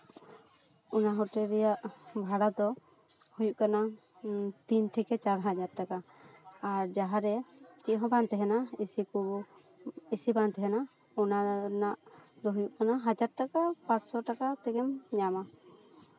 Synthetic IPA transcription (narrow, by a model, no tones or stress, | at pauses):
ɔnaɦɔʈɛɾɛjaʔbʱaɽad̪ɔ | hujuʔkana | t̪int̪ʰɛkɛt͡ʃaɾɦad͡ʒaɾʈakaː | ɾd͡ʒaɦaɾɛt͡ʃiʔɦɔ̃bant̪ɛɦɛnaisiku | isibant̪ɛɦɛna | ɔnanaʔd̪ɔɦujuʔkanaɦad͡ʒaɾ̚ʈakapat͡ʃsɔʈakat̪ɛɡɛmɲama